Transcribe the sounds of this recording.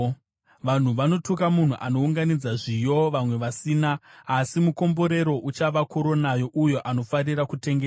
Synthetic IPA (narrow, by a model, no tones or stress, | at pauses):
ʋan̤uʋano̞tukamun̤uʔano̞uŋɡanid͡zaʐijo̞ʋamwe̞ʋasiːnaːsimuko̞mbo̞ɾe̞ɾo̞ʔut͡ʃaʋakuɾo̞najo̞ʔujo̞ʔano̞fariɾakute̞ŋɡea